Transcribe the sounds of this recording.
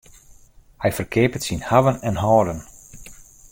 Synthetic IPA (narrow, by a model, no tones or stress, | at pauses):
hɛjfərkʰɪːpətsinhaʋənɛnɦɔːdən